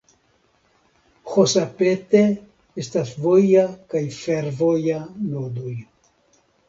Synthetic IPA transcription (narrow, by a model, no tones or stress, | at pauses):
xosapet̪e | estasvojakajfeɾvojanod̪uj